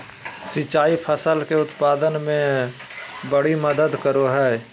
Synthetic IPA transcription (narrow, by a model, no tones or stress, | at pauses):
sɪt͡ʃaːipʰəsəlkeʊt̪paːd̪ənmẽ | bəɽiməd̪əd̪kəɾoɦɛː